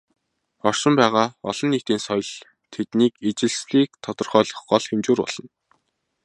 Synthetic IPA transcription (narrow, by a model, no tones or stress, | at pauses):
ɔr̥ʃɪ̆mpæːʁaːɔɮɞ̆nːekt̪iːnsɔjɞ̆ɮ | t̪ʰet̪niːket͡ɕɪ̆ɮsɮiːk̚t̪ʰɔt̪ɞ̆rχœːɮɞ̆χɢɔɮxemt͡ɕuːrpɔ̰ɮ̥ɞ̆n